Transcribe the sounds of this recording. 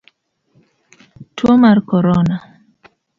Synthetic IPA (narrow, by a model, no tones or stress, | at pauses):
twɔmarkɔɾɔna